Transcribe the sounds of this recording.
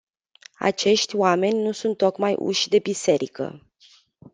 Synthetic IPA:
a̰t͡ʃe̞ʃt̪ʲwame̞nʲnusunt̪ːo̞kmajʔṵʃʲd̪e̞bise̞ɾikə̰

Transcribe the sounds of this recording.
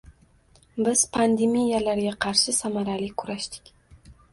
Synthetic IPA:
bɪz̥pʰand̪emijalaɾɡʲaqʰɑɾʃɪsamaɾalɪkʰːʊɾaʃt̪ɪ̥kʲ

